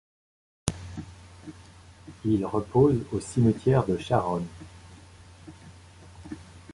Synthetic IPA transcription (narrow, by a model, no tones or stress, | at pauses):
ilʁəpʰozosimət̪jɛʁd̪əʃaʁɔn